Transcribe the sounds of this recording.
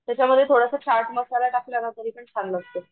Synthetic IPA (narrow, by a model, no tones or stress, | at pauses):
t̪jat͡ɕaməd̪ʱːjet̪ʰoɽasət͡ɕaɾʈməsalaʈafiləɡat̪əɾiːpəɳsʰanləɡt̪e